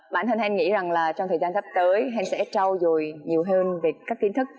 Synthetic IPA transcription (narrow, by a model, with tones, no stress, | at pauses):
ɓaː˧˩nt̪i˧nhɛ˧nŋḭ˧˥za˨˩ŋlaː˨˩t͡ɕɔ˧wŋ͡mt̪ʰəː˨˩jzaː˧nt̪ʰa˦˥p̚t̪əː˨˦jɦɛ˧nsɛ̰˧˥t͡ɕa˧wzo˨˩jɲi˨˩əwɦəː˧nve˨˩kːaː˦˥k̚t̪i˨˦nt̪ʰɨ˦˥k̚